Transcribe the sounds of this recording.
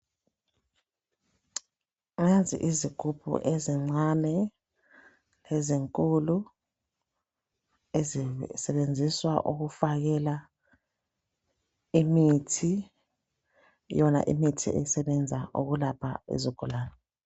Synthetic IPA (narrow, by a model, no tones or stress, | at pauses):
ŋazḭʔiziɡ̥ʱupʰṵʔeziŋ͡ǀanɛ | leziŋkʼulu | ezsɛɓend͡zʱiswaʔuɣ̬ufaɣ̬ɛla | imitʰi | jɔna̰ʔḭmitʰḭʔḛjsɛɓɛnd͡zʱaʔo̰ɣulapʰa̰ḛziɡ̥ʱɔlaːnɛ